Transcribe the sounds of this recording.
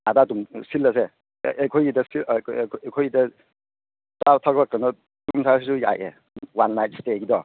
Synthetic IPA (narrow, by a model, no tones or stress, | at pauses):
adadumsilːas̬e | kʰɔjidasikʰɔjida | tawtʰaɡakanɔ | dumsʰas̬isuja̰jʔḛ | wanːajt̚steɡidɔ